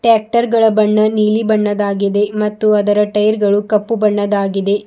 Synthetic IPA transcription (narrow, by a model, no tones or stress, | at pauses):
ʈaːk̚ʈɐɾɡɐɭɐbɐɳːɐniːlibɐɳːɐd̪aːɡid̪e̞mɐt̪ːuɐd̪ɐɾɐʈɐjɾɡɐɭukɐpːubɐɳːɐd̪aːɡid̪e̞